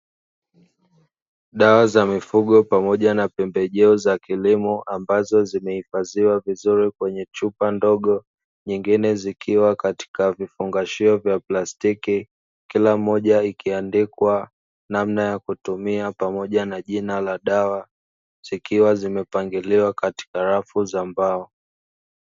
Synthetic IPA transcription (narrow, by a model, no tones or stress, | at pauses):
ɗawazamifuɠɔpamɔʄanapɛmbɛʄɛɔzakilimɔʔambazɔzimɛhifaziwavizuɾikwɛɲɛt͡ʃupandɔɠɔ | ɲiŋɡinɛzikʰiwakati̥kavifuŋɡaʃiɔvjaplastiki | kilam̩ɔʄaikiandikwa | namnajakutumiapamɔʄanaʄinalaɗawa | z̥ikiwazimɛpaŋɡiliwakati̥kaɾafuzambaɔ